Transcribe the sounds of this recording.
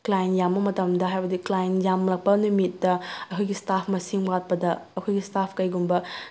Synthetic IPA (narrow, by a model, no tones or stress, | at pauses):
klajnjambɐmɐtɐmdɐɦajbɐdiklajnjamlɐk̚pɐnumitːɐɐkʰojɡistapʰmɐsiŋbat̚pɐdɐːkʰojɡistapʰkɐjɡumbɐ